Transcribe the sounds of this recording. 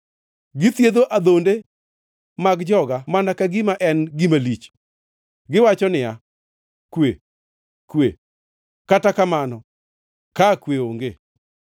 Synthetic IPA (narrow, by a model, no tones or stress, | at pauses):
ɡɪt̪jed̪oʔad̪onde | maɡd͡ʒɔɡamanakaɡimaʔɛnɡimalit͡ʃ | ɡɪwat͡ʃɔnɪja | kwe | kwḛ | katakamanɔ | kakweoŋɡe